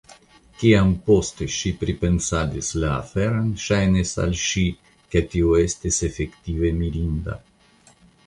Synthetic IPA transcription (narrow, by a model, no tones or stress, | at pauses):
kiampost̪eʃipɾipensad̪isla̰ːfeɾanʃajnesa̰lʃi | ket̪ioest̪esefekt̪ivemiɾind̪a̰